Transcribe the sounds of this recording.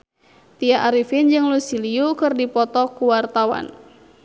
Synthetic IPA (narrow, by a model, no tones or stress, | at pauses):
t̪iaʔaɾifind͡ʒɨŋlusiliukɨrdipɔt̪ɔkuwart̪awa̰n